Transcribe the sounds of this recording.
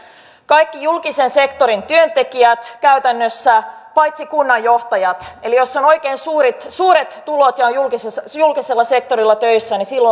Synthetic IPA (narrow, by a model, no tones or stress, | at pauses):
kɑjkːijulkisense̞kt̪o̞ɾint̪yønt̪ekiæt̪kæyt̪ænːøsːæpɑjt̪sikunːɑjːo̞ht̪ɑjɑt̪e̞lijo̞sːono̞ikeːnsuːɾit̪suːɾet̪tːulot̪jɑojjulkisejulkiselːɑse̞k̚t̪o̞ɾilːɑt̪øisːænisilːo